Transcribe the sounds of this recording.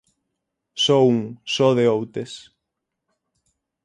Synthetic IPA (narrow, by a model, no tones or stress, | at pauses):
sɔuŋsɔðeowt̪es